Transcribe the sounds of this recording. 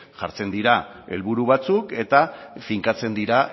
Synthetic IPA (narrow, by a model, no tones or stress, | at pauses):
ʝaɾt͡se̞nd̪iɾa | e̞̰lβuɾuβ̞at͡suke̞t̪afiŋkat͡se̞nd̪iɾa